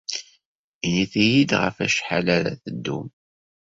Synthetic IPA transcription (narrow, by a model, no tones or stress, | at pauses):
iniθijid̪ʁə̰fæʃħalæɾæ̰θəd̪ːṵm